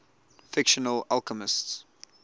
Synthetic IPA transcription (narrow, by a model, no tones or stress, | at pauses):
fɪkʃənəlalkəmɪsts